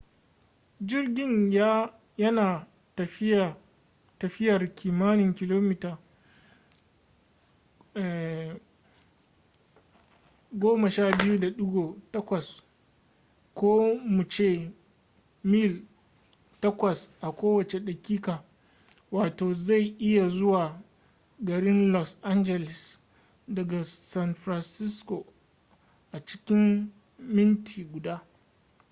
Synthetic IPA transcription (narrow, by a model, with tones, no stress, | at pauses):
d͡ʒɪ˦rɡʲɪ˦ɲja˦ | jɐ˦naː˨ | tɐ˨˦˨ | tɐ˨ɸɪ˦jɐ˨rkʲʰiː˨maː˦nɪ˨ŋkʲɪ˨loː˦mi˦taː˨ | ɛ˨ | ɡʷoː˦mɐ˨ʃaː˦˨bɪ˦ju˦da˨ɗʊ˦ɡʷoː˨tɐ˦kʷɐ˨s | kʷoː˦mu˨t͡ʃeː˦˨ | miː˦˨l | tɐ˦kʷɐ˨sʔa˨kʷoː˦wɐ˨t͡ʃe˨ɗɐ˨kʲiː˦kaː˨ | waː˨toː˨za˦˨jʔɪ˦ja˨zʊ˦waː˨ | ɡɐ˨ɽɪ˦nlɔ˦sʔa˦nd͡ʒɛ˨lɛ˨s | dɐ˨ɡa˨sa˦nɸɾa˨nsɪ˦skoː˨ | ʔa˨t͡ʃɪ̥˦kʲɪ˦mː | ɪ˦ntʰiː˨ɡʷʊ˨daː˦